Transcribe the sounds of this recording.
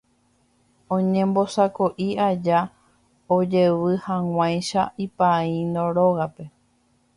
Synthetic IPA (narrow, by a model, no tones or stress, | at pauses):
õɲẽ̞mbo̞sakoʔiad͡ʒa | od͡ʒe̞ʋɨhãw̃ʷãjʃaipaĩnõɾoɣape̞